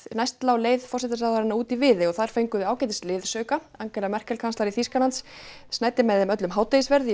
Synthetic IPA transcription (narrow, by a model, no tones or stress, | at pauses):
najst̪lawleːjðfɔr̥sɛt̪asaðaɾɪnːauːt̪ivɪːðɪɔθaðɾ̥fejŋkʏðɪaːwcɛjt̪ɪst̪lɪːðsœɥkaaŋcɛlamɛr̥kɛlkʰanst̪aɾiθiskalant̪sːnaːjt̪ɪmɛðɪmœt̪lʏmɦaːwt̪ejɪsvɛɾð